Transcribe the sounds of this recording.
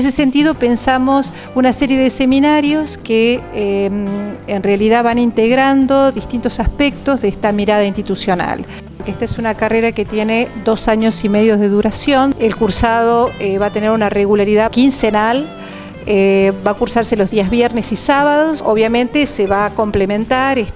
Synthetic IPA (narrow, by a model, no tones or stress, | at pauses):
nes̬ese̞nt̪iðo̞pe̞nsamo̞s | unaseɾjeðese̞minaɾjo̞skeemːnrealiðaβanint̪eɣɾand̪o̞ðist̪int̪o̞saspek̚t̪o̞zðeeht̪amiɾaðainst̪it̪usjo̞na̰l | pooɾkeeht̪aesunakareɾaket̪je̞ned̪o̞saɲosimeðjo̞zðeðuɾasjo̞nelkuɾsaðoeβat̪e̞neɾunareɣulaɾiðakinsenal | ebakuɾsaɾse̞lo̞zðiazβjɛɾnesisaβaðosoβjamẽnt̪eseβako̞mplemẽnt̪aɾe